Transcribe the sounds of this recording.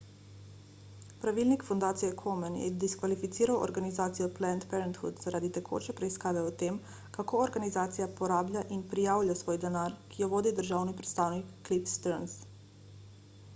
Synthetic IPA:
pɾaʋilnikfɔnd̪aːt̪sijɛkʰɔmɛnjɛ̰d̪iskʋalifit̪siːɾawʔɔ̰ɾɡanizaːt̪sijɔplɛnt̪pɛɾɛnt̪xṵd̪z̥aɾʔaːd̪it̪ɛkʰo̰ːt͡ʃɛpɾɛiskaːʋɛɔt̪eːm | kakoːɔɾɡanizaːt̪sijapɔɾaːblʲjaʔinpɾijaːwljʲasʋoːjd̪ɛnaːɾkʰijɔʋoːd̪id̪əɾʒaːwnipɾɛt̪st̪aːwnikːlipst̪ɛɾns

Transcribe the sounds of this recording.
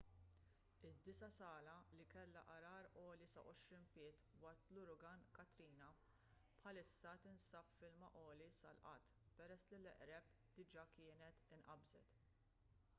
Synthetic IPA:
ɪd̪ːɪsɐsɐːlɐlikɛlːɐʔɐɾɐːɾɔːlisɐ̰ʔɔʃɾiːnpɪːt̪wɐɾt̪lʊɾʊɡɐnkɐt̪ɾiːnɐ | pħɐlɪsːɐt̪ɪnsɐpfɪlmɐʔɔːlisɐ̰lʔɐ̰t̪ː | pɛɾɛsːlɪlɛʔɾɛp | d̪̥ɪd͡ʒɐːkɪːnɛt̪ɪnʔɐbzɛ̰t̪

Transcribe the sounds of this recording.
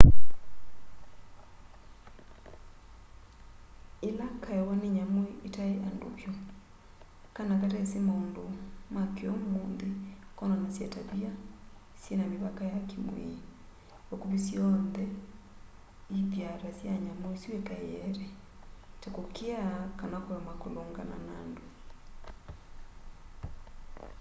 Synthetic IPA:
elakaɛwaneɲamwɛʔetaeʔando̰βjɔ | kanakatɛsemaondomakeɔmonðekɔnɔnasjataβia | sjenamiβakajakemwḛ | ɔkuβisiɔnðɛ | iðjaɾasjaɲamwesiwekajɛɾɛ | tɛkokʰeakanakoɔmakoloŋɡana̰nando

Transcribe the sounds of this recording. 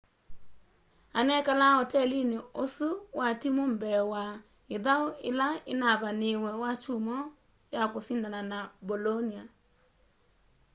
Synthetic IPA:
anɛkalaɔtɛlinɪosuwatimom̩bɛwa | ɪðaʊɪ̰laɪ̰naβanɪwɛwat͡ʃumɔ | jakʊsindananabɔlonia

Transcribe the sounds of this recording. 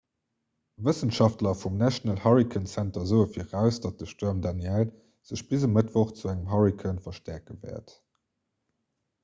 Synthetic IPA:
vəsənʃɑftlɐfumnæʃonəlhɑʁikʰənsæntɐzəʊəfiːʁæʊsd̥ɑt̚d̥əʃtoɐmdɑnjæl | z̥əɕb̥izəmətvoχt͡suæŋəmɦɑʁikʰənfɐʃtæɐkəvɛ̰ːɐt

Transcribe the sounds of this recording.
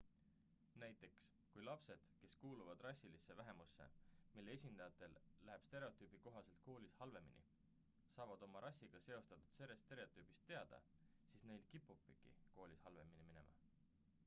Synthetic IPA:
næjt̪ːˑe̞ks | kujlɑpse̞d̪̥ke̞skuːluvɑd̪̥rɑsʲːilisːe̞væɦe̞musːe̞̰milːe̞esʲind̪ɑjɑt̪ːˑe̞lːæɦeb̥st̪e̞ɾe̞o̞t̪ˑyːb̥iko̞ɦɑse̞lt̪̚ko̞ːlʲishɑlve̞mḭnḭ | sɑːvɑd̪̥o̞mɑɾʔɑsʲːiɡ̥ɑse̞o̞st̪ɑt̪u̥d̪̥seɾest̪e̞ɾet̪ːˑyːb̥ist̪ːe̞ɑd̪̥ɑ̰ | siːsne̞jlkipːupːˑiɡ̥ḭko̞ːlʲishɑlve̞minimine̞̰mɑ̰

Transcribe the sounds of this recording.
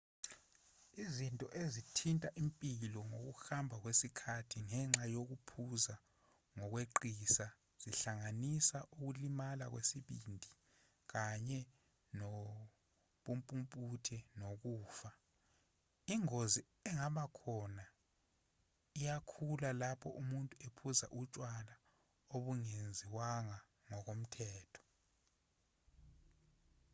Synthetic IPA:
izintʼɔʔezitʰintʼaʔimpʼilɔŋok̬uxambʱak̬wesikʰatʰiŋɛŋ͡ǁajok̬upʰuza | ŋɔk̬weǃisa | z̥iɬaŋanisaʔuk̬ulimala̰k̬wesiɓindʱi | k̬aɲɛ | nɔ | ɓumpʼumpʼutʰɛnok̬uːfa | iŋozi | ɛŋaɓakʰɔna | ijakʰulalapʰɔʔumuntʼuepʰuza̰ʔut͡ʃʼwala | oɓuŋend͡zʱiwaŋa | ŋɔk̬om̩tʰɛːtʰɔ̥

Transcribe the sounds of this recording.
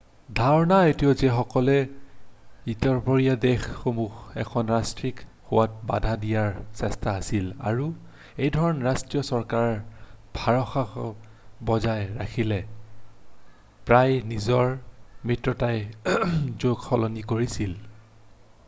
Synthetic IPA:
dʱaɹɔnaetiozɛxɔkɔlɛ | itɔɹpɔɹijadexːomuxɛ̰kʰɔnɹastɹik | hʊwat̚ba̰dʱadijaɹsɛstaːsila̰ɹu | ejdʱɔɹɔnɹastɹijɔsɔɹkaɹɔbʱaɹɔxaxɔ | bɔzajɹakʰilɛ | pɹajnizɔɹmɹitɹɔtaj | zoɡxɔlɔnikoɹisil

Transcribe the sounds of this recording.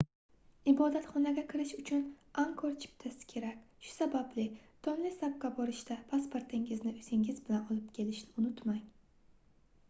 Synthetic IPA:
ɪbɒd̪at̪χɒnaɡʲakʲʰɪɾɪʃʊt͡ʃʰʊnaŋkʰoɾt͡ʃʰɪ̥p̚t̪ʰasɪ̥kʲʰe̞ɾakʲʃʊ̥sabablɪt̪ʰɒnlɪsap̚kabɒɾɪʃt̪apʰaspo̞ɾt̪ʰɪŋɪznɪʊsɪŋɪzbɪlanɒlˠɪp̚kʲʰe̞lɪʃnʊnʊt̪maŋ

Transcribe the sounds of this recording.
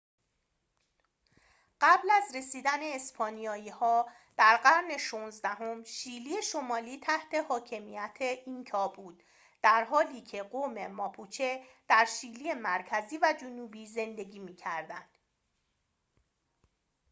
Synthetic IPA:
ɢ̥æblæzɾe̞siːd̪æne̞ːspʰɒːnijɒːjiːhɒː | d̪̥æɾɢæɾne̞ʃuːnzd̪æɦo̞mʃiːliːjeʃo̞mɒːliːt̪ʰæht̪ʰe̞hɒːcʰe̞mijæt̪ʰeʔinkʰɒːbuːd̪̥ | d̪̥æɾɦɒːliːcʰe̞ɢome̞mɒːpʰut͡ʃʰed̪̥æɾʃiːliːjemæɾcʰæziːvæd͡ʒonuːbiːze̞nd̪e̞ɟiːmiːcʰæɾd̪ænd̪̥

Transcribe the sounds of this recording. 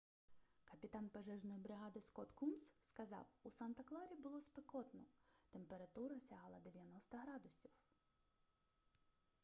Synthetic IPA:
kɐpʲit̪ɑnpɐʒɛʒnɔjibɾɪɦɑd̪ɪskɔt̪kumsskɐzɑ̰wusɑnt̪ɐklˠɑɾʲibʊlˠɔspekɔt̪nɔt̪empeɾɐt̪uɾɐsʲɐɦɑlˠɐd̪eʋʲjɐnɔst̪ɐɦɾɑd̪ʊsʲiw

